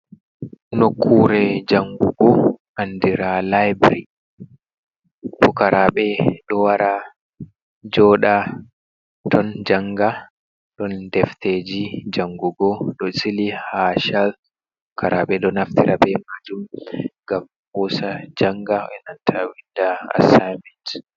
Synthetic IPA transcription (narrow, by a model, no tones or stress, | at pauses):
nokʰːuɾɛd͡ʒaŋɡuɡɔʔandiɾalajbɾi | fukaɾaɓɛɗɔwaɾa | d͡ʒɔːɗa | tɔnd͡ʒaŋɡa | ɗɔndɛfted͡ʒid͡ʒaŋɡuɡɔɗɔsilihaʃal | fukaɾaɓɛɗɔnaftiɾabɛmad͡ʒumŋɡam | husad͡ʒaŋɡaɛnantʰawidaa̰sajmɛnt